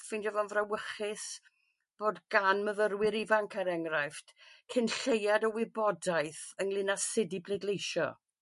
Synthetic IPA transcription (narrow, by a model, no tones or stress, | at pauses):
fɪndɛvɔnvrawəχɪs | b̥oːdɡ̥anməvəɾwɪɾivaŋkʰaɾɛŋrajftkʰɪnɬejadəwɪbɔdajθəŋlˠɪnasɪdiblˠedlejʃɔ̰